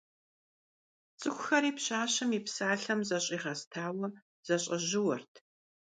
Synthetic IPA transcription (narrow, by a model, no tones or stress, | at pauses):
t͡sʼɨxʷʰʼʊxɐɾiːpɕaːɕɐmiːpsaːɬɐmzɐɕʼiːʁɐstʰaːwɐ | z̥ɐɕʼɐʑɪwɐrtʰ